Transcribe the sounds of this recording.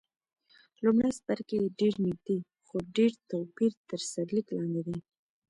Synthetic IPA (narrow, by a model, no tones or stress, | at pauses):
lumɽasbaɾkeɖeɾnɪɡ̚d̪i | xoɖeɾt̪apiɾt̪əɾsaɾliklɑnd̪ed̪i